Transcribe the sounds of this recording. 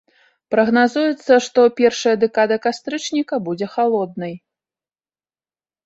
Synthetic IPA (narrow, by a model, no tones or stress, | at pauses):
pɾɐɣnazujɛt̪sːɐʂt̪ɔpʲɛrʂɐjɐd̪ɛkad̪ɐkast̪ɾɨt͡ʂnʲikɐbud͡zʲɛxalˠɔd̪̚nɐj